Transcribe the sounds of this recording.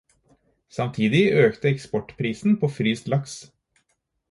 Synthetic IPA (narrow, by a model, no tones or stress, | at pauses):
sɑmt̪ʰiːd̪ɪøːkt̪əɛkspɔʈpʰɾiːsn̩pʰoːfɾyːst̪lɑks